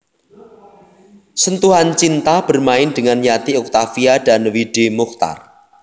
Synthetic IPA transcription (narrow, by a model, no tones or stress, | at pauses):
sənt̪uɦant͡ʃint̪ahb̥ə̤rmaɪnd̥əŋanjat̪iuk̚t̪afiad̥a̤nwiɖ̥emukt̪a̰r